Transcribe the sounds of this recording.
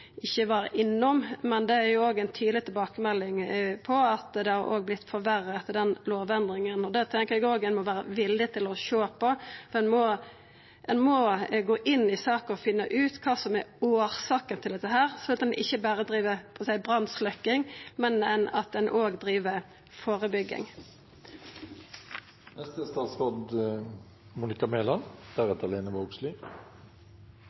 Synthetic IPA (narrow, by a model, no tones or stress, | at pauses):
ʔɪçːəʋɑːɾə̰ʔɪnːɔmmɛnd̪ɛæɾjʊoːɡɛɪnt̪ʰyːd̪lɪt̪ʰɪlbɑːkəmɛlːɪŋpʰɔɑt̪d̪ɛhɑɾʔo̰ːɡ̚blɪt̪ːfɔɾʋæɾət̪ʰd̪ɛnloːʋɛnd̪ɾɪŋənɔd̪ɛt̪ʰɛŋkəɾɛɡoːɡɛnmɔʋæːɾə̰ʋɪlːɪt̪ʰɪlɔʃoːpʰɔfɔɾɛnmɔ | ɛnmɔɡoːʔɪnːɪsɑːkəɔfɪnːəʔʉːt̪kʰɑːsɔmæɾoːɾsɑːkənt̪ʰɪld̪ɛt̪ːəɦæːʁsɔɑt̪ɛnʔɪçːəbæːɾəd̪ɾiːʋəpʰɔəsæɪbʁɑnslœkːɪŋmɛnɛnɑt̪̚ɛnʔoːɡd̪ʁiːʋəɾ | foːʁəbʏɡːɪ̰ŋ | nɛst̪əst̪ɑːt̪sʁɑd̪ | muːnɪkɑmeːlɑnd̪̥æɾɛt̪əleːnəʋɑɡslɪ